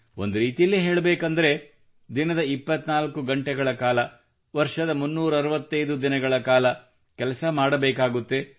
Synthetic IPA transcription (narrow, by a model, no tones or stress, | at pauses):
o̞̰nd̪uɾiːt̪ijɐlːiɦeːɭɐbeːkɐnd̪ɐɾe | d̪inɐd̪ɐipːɐt̪ːnaːlkuɡɐɳʈɛɡɐɭɐkaːlɐ | ʋɐɾʂɐd̪ɐmunːuːɾuɐɾuʋɐt̪ːɐjd̪ud̪inɐɡɐɭɐkaːlɐ | kɛlɐsɐmaːɽɐbɛːkaːɡut̪ːe